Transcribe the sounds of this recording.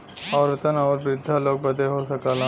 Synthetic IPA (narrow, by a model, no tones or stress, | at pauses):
ɔːɾət̪ənɔːɾbɾɪd̪ʱːaloːɡ̚bɐd̪eɦosɐkaːlã